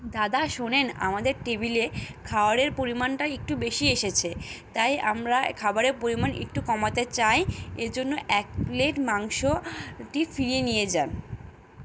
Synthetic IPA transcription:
d̪ad̪aʃonena̰mad̪eɾʈebilekʰaoaɾeɾpoɾimanʈaek̚ʈubeʃieʃet͡ɕʰet̪aja̰mɾakʰabaɾeɾpoɾimanʔḛkʈukɔmat̪et͡ɕajed͡ʑonːoʔɛk̚pleʈmaŋʃoʈifiɾienijed͡ʑan

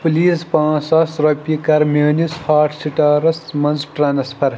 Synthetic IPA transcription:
puliːspãːt͡sɐsɾopʲikɐɾmeːnishaːʈʰsiʈaːɾɐsmɐnzʈɾaːnspʰɐɾ

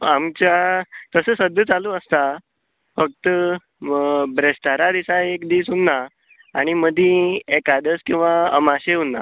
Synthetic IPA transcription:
amt͡ɕjat̪əsəsəd̪ʱjət͡saluːəst̪a | fək̚t̪ə | bɾest̪aɾad̪isaekd̪iːsɦunːa | aɽ̃iməd̪ʱĩekad̪əskĩw̃ʋaə̰maɕeɦunːa̰

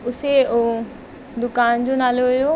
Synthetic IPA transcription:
ʊse | d̪ʊkaːnd͡ʑonaːloɦʊjo

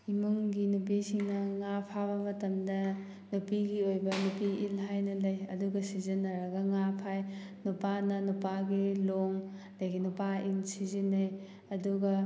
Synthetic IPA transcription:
imuŋɡinup̬isiŋnɐŋapʰaβɐmɐtɐmdɐ | nupiɡiojbɐnupiʔilɦajnɐlɐjɐ̰duɡɐsizinːɐɾɐɡɐŋapʰaj | nupanɐnupaɡiloŋ | lɐjɡinupainsizinɐj | ɐduɡɐ

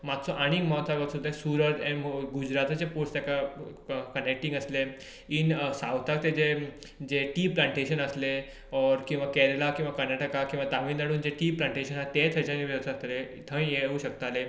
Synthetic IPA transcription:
mat̪t͡sʰɔʔaɽ̃iːkmɦt̪saɡat̪sud̪ʱẽsuɾəɾɛnmɡud͡ʑɾat̪at͡ɕepost̪jaka | kənek̚ʈĩŋɡəsle | insawt̪ʰak̚t̪ed͡ʑe | d͡ʑeʈiːplãɳʈeɕənəsle | ɔɾkĩw̃ʋakɛɾelakĩw̃ʋakəɾnaʈəkakĩw̃ʋat̪amiːnnaɽuːnd͡ʑeʈiːplãɳʈeɕənat̪et̪ʰət͡ɕãniʋjəʋsaɾt̪ʰle | t̪ʰə̃ĩjeuɕək̚t̪ale

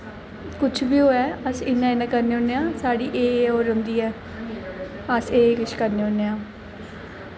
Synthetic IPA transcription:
kʊt͡ʃʰbiːɦoːɛːəsɪnːãːɪnãːkəɾneːʊnːeːãːsaːɽiːʔeːoːɾənd̪iːɛː | əseːkɪt͡ʃʰkəɾneːonːeːãː

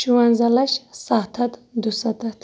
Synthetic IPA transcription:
ʃuwɐnzɐlɐʃsat̪ʰɐt̪d̪usɐt̪ɐt̪ʰ

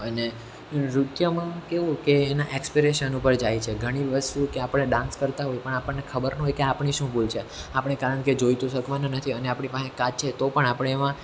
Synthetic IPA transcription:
əne | ɾut̪jəmãkeʋũkeːnaʔekspiɾeʃənupəɾd͡ʒajt͡ʃʰeɡʱəɽ̃iʋəst̪ukeapəɳːeɖãnskəɾt̪aɦojpəɳapəɳːekʰəbəɾnɦojkeapɳiʃũbʱult͡ʃʰeapɳ̃ekaɾəɳked͡ʒojt̪oʃəkʋananət̪ʰiəneapɳ̃ipãẽkad͡ʒt͡ʃʰet̪opəɳapəɽ̃eːʋã

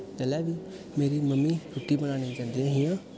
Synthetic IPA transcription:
d͡ʒəlɛːʋiː | meːɾiːməmːiːɾʊʈːiːbənaːnẽːd͡ʒãːnd̪iːãːɦɪjãː

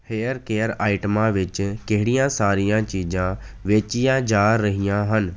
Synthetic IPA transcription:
heːəɾkeːəɾaːɪʈəmãʋɪt͡ʃkeɦɪɽijãːsaːɾijãːt͡ʃiːd͡ʒãːʋeːt͡ʃɪjãːd͡ʒaːəɦijãːɦən

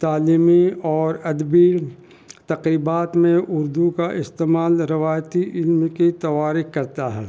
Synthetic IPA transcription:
t̪aːliːmiɔːɾɐd̪biː | t̪ɐqɾiːbaːt̪mẽʔʊɾd̪ukaʔɪst̪eːmaːlɾɪʋaːjt̪iʔɪlmkit̪ɐʋaːɾikkɐɾt̪aɦɛː

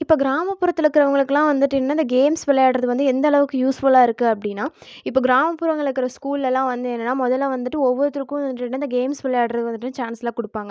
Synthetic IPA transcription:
ɪpːoːɡɪɾaːmɐppːʊɾɐt̪ːɪlɯkːɯɾɐʋɐŋɡɐɭɯkːɯlãːʋɐnd̪ɯʈːɪnːaːɪnd̪ɐɡeːmsʋɛlːɐjaːɽɾɐðɯʋɐnd̪ɯɛnd̪ɐɭɐʋɯkːɯjuːsfʊlaːɪɾɯkːɯɐpːɐɽɪnːaːɪpːoːɡɪɾaːmɐpːʊɾɐŋɡɐɭɯkːɪɾɐskuːllɛlãːʋɐnd̪ɯɛnːɐnːaːmɔðɐlaʋɐnd̪ɯʈːɯɔʋːɔɾt̪ːɾɯkːʊ̃ʋɐɐnd̪ɯʈːɪnːaːɪnd̪ɐɡeːmsʋɛlːɐjaːɽɾɐðɯʋɐnd̪ɯʈːɯnːt͡ʃaːnslãːkʊɽɯpːaːŋɡɐ

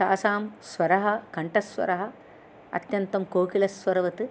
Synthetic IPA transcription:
saːsaːmsʋɐɾɐɦɐkɐɳʈɐsʋɐ̰ɾɐɦɐ | ɐ̰t̪jɐnt̪ɐmkoːkilɐsʋɐɾɐʋɐt̪ɨ

